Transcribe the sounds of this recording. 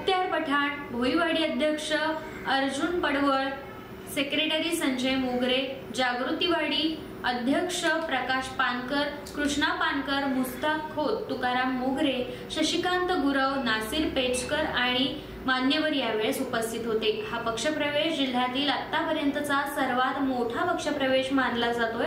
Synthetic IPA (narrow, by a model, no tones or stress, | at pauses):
t̪jaɾpəʈʰaɳbʱoiʋaɽiːəd̪ʱjəkʂə | əɾd͡ʑunpəɽʋəɭ | sekɾeʈəɾisə̃ɲd͡ʑəjmoɡɾed͡ʑaɡɾut̪iʋaɽiː | əd̪ʱjəkʂəpɾəkaɕpankəɾ | kɾuʂɳapankəɾmust̪akkʰːod̪ːukaɾamoɡɾe | ɕəɕikant̪əɡuɾəʋnasiːɾpet͡ɕkəɾaɽ̃i | manjəʋəɾjaʋeɭsupəst̪ʰit̪ɦot̪ehapəkʂəpɾəʋeɕd͡ʑil̤ːat̪iːlət̪ːapəɾjənt̪ət͡sasəɾʋat̪moʈʰapəkʂəpɾəʋeɕmanlad͡zat̪oj